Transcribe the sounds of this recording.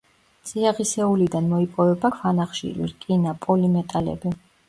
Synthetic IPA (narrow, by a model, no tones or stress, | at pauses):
t̪sʼiaʁisɛulid̪anmɔipʼɔvɛbakʰvanaχʃḭlḭɾkʼinapʼɔlimɛt̪ʼalɛ̰bi